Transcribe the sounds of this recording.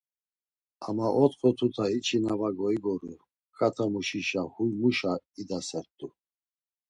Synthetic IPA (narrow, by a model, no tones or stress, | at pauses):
a̰maʔɔt̪χɔt̪ʰut̪ʰait͡ʃʰinavaɡɔiɡɔɾu | kʼat̪ʰamuʃiʃahujmuʃaid̪asɛɾt̪ʼu